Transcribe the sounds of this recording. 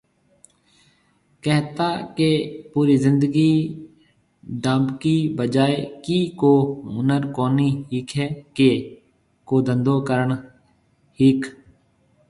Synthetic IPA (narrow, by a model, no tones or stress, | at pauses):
kɛɦt̪aːkepuːɾiːzɪ̃nd̪əɡiː | ɖãːmbkiːbəd͡ʒaːekiːkoːʊnəɾkoːniːɦiːkʰɛːke | koːd̪ə̃nd̪oːkəɾəɳ | hiːkʰ